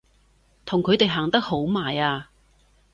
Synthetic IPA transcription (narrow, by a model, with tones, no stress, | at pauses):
t̪ʰʊ˨˩ŋkʰɵ˨˧ɥt̪e˨jɦaː˨˩ŋt̪ɐ˥k̚ho˨˥wmaː˨˩jaː˧